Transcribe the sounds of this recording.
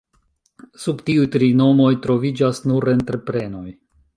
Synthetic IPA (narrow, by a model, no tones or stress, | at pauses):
subtiujtɾino̞mo̞jtɾo̞vid͡ʒasnuɾe̞ntɾe̞pɾe̞no̞j